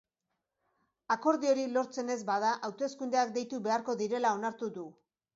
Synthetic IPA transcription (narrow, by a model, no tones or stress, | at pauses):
ako̞ɾðio̞ɾilo̞ɾt͡se̞ne̞zbaðaʔawt̪e̞skund̪eak̚d̪e̞jt̪uβe̞aɾko̞ðiɾe̞lao̞naɾt̪uðu